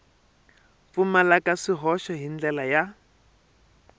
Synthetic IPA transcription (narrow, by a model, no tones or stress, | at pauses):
fumalakaʂiɦɔʃɔɦind͡ɮɛlaja